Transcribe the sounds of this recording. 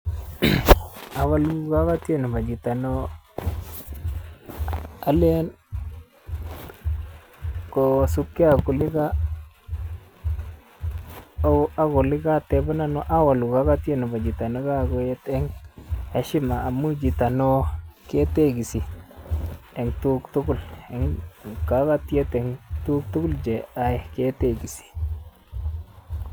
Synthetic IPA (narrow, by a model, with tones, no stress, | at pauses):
a˨wa˦lu˦ka˦ka˦te˦˨nu˨ma˨d͡ʒi˨ta˨no˦ | a˦le˦n | ko˨su˦kːi˦a˨ku˨lɪ˦ɡa˦ | a˦ɡo˨li˦ɡa˦t̪e˨ba˦na˦no˦ʔa˦wa˨lu˨ka˦ɡa˦t̪i˦e˦nu˨ba˨d͡ʒi˨t̪a˨ni˦ɡa˦˨ɡo˦je˦t̪e˦ŋhe˦ʃi˦maː˨mu˦d͡ʒi˨t̪a˨no˦ke˦te˦ɡi˨si˨ | e˨ŋt̪u˦kt̪u˦ɡu˦le˨ŋka˨˦ka˦t̪i˦e˦t̪e˨ŋtu˦k̚tu˦ku˦ld͡ʒe˨a˨e˨ke˦te˦ɡi˨si̥˨